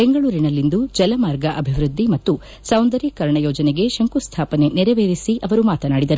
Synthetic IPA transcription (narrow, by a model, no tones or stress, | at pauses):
beŋɡɐɭuːɾinɐlːind̪ud͡ʒɐlɐmaːɾɡɐʔɐbʱiʋɾud̪ːimɐt̪ːu | sɐwnd̪ɐɾikɐɾɳɐjoːd͡ʒɐneɡe̞ʃɐŋkust̪ʰaːpɐne̞nɛɾɐʋeːɾisiʔɐʋɐɾumaːt̪ɐnaːɽid̪ɐɾu